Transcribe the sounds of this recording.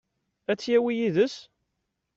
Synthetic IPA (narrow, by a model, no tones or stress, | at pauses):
æt͡sːjæwijiðəs